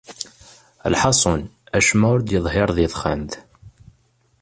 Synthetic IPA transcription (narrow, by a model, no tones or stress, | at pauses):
ə̰lħɑsˤonæʃmæʊɾd̪jəðˤɦɪɾˤðiðˤχæmt̪